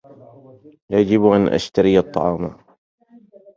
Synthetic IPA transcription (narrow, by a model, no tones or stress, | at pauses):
jad͡ʒɪbʔanʔa̰ʃt̪aɾijɑt̪ˤːɑ̰ʕɑːma